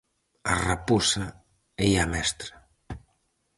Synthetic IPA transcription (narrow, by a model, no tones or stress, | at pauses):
a̰rapusa | ejamɛst̪ɾa